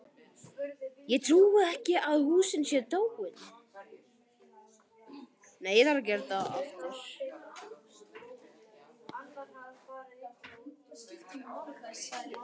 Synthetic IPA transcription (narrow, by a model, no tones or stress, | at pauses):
jɛɣt̪ʰɾuːwaɛhcɪʔaðhuːsɪnsjɛɾt̪oːwwɪð | neːjɛðhaɾacɛɾt̪aða̰ft̪ʏɾ̥